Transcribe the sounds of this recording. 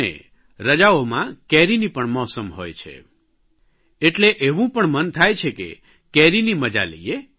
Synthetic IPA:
ḛ | ɾəd͡ʒaomãkɛɾinipəɳmɔsəmɦojt͡ʃʰḛ | eʈleʔeʋũpəɳmənt̪ʰajt͡ʃʰekḛ | kɛɾiniməd͡ʒa̰lḛie

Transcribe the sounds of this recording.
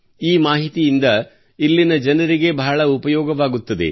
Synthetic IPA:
iːmaːɦit̪ijind̪ɐ | ilːinɐd͡ʒɐnɐɾiɡe̞bɐɦɐɭɐupɐjɔːɡɐʋaːɡut̪ːɐd̪e̞̰

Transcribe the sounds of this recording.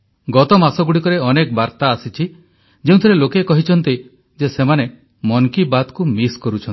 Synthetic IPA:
ɡɔt̪ɔmasɔɡuɽikɔɾeɔnek̚baɾt̪aːsit͡ʃʰi | d͡ʒeũt̪ʰɔɾelokekɔɦit͡ʃʰɔnt̪i | d͡ʒesemane | mɔŋkibad̪kumiskɔɾut͡ʃʰɔn

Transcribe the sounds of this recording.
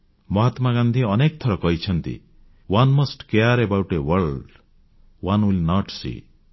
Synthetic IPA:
mɔɦat̪maɡand̪ʱiɔnek̚t̪ʰɔɾɔkɔɦit͡ʃʰɔnt̪ḭ | wanmosʈkeaɾebawʈewɔɾɖ | wanwilnɔʈsḭ

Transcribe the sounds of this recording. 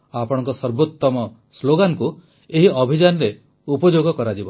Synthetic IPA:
apɔɽ̃ɔ̃ŋkɔsɔɾbot̪ːɔmɔ | sloɡanku | eɦiɔbʱid͡ʒanɔɾe | upɔd͡ʒoɡɔkɔɾad͡ʒibɔ

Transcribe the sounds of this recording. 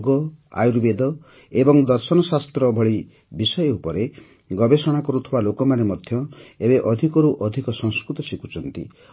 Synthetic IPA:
ɡɔa̰juɾbed̪ɔ | ebɔŋd̪ɔɾsɔnɔsast̪ɾɔbʱɔɭi | bisɔjɔupɔɾe | ɡɔbesɔɽ̃akɔɾut̪ʰibalokɔmanemɔd̪ʱjɔebeʔɔd̪ʱikɔɾuʔɔd̪ʱikɔsɔŋskɾut̪ɔsikut͡ʃʰɔnt̪ḭ

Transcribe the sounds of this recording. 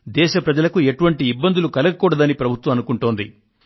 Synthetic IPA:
d̪ɛːʃɐpɾɐd͡ʒɐlɐkueʈuʋɐɳʈiːbːɐnd̪ulukɐlɐɡɐkuːɽɐd̪ɐnipɾɐbʱut̪ʋɐmɐnukuɳʈoːnd̪ḭ

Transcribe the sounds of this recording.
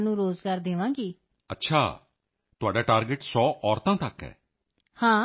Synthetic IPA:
nũːɾoːzɡaːɾd̪eːʋãːɡiː | ətːʃʰa̰ː | t̪ʊaːɖaːʈaːɾɡəʈsɔːʔɔːɾt̪ãːt̪əkɦɛ̰ː | hãː

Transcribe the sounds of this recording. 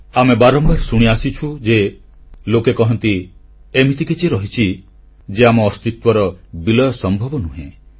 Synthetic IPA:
amebaɾɔmbaɾsuɽ̃iasit͡ʃʰud͡ʒe | lokekɔɦɔnt̪iemit̪ʰikit͡ʃʰiɾɔɦit͡ʃʰi | d͡ʒeamɔːst̪it̪wɔɾɔbilɔjɔsɔmbʱɔbɔnuɦẽ

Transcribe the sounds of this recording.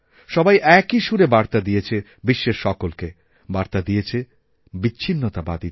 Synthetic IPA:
ʃɔbajʔɛkiʃuɾebaɾt̪ad̪ijet͡ɕʰe | biʃːeʃʃɔkolke | baɾt̪ad̪ijet͡ɕʰe | biːɕʰinːot̪abad̪i

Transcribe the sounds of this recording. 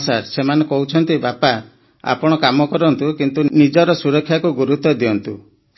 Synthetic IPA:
saɾsemanekɔɦut͡ʃʰɔnt̪ibapa | a̰pɔɽ̃ɔkamɔkɔɾɔnt̪ukint̪unid͡ʒɔɾɔsuɾɔkʰːjakuɡuɾut̪ɔd̪iɔnt̪u

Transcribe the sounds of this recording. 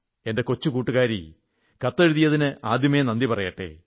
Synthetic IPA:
e̞nde̞ko̞t͡ɕːukuːʈːuɣaːɾi | kɐt̪ːɐɾuðijɐðinɨʔaːd̪ʱjimenɐnd̪ipɐrɐjɐʈːḛː

